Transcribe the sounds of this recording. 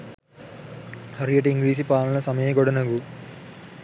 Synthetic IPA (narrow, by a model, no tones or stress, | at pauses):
hɐɾijɐʈiŋɡɾiːsipaːnɐlɐsɐmɐjɐɡɔɽɐnɐɡu